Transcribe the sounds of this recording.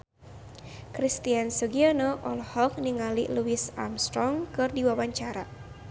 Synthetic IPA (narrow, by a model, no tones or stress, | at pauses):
kɾist̪iansuɡianɔʔɔlhɔk̚niŋalḭluisa̰mst̪ɾɔŋkɨrdiwawaɲt͡ʃaɾa